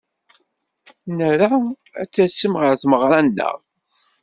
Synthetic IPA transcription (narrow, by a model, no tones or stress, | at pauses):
nəɾa | æ̰t͡sːæsːəmʁəɾθməʁɾˤanːə̰ʁ